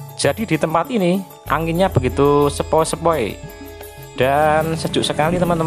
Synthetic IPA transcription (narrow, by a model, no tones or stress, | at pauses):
d͡ʒ̥ad̥idi̤t̪əmpat̪ini | ʔa̰ŋɡinɲab̥əɡit̪usəpɔesəpɔḛ | d̥ansə̥ʒ̥ʊʔsəkalit̪əmənt̪ə